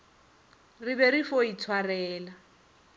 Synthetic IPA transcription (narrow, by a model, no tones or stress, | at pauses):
rɪβɛrifoit͡sʰwarɛːla